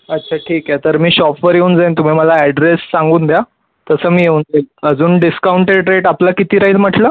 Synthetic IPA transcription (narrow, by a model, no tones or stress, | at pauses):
ətːt͡ɕʰaʈʰiːkjɛt̪əɾmiːɕɔfʈʋəɾjeund͡zant̪um̤iːməlaɛɖɾesːaŋɡuːnd̪ja | t̪əsəːmiːjeund͡zanəd͡zuːnɖiskauɳʈeɖɾeʈaplakit̪iːɾaiːt̪m̤əʈʰlə